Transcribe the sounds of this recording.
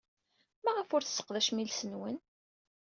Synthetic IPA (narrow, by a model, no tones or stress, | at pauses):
mæʁəfʊɾθə̥sːə̥qðæʃmilsənwən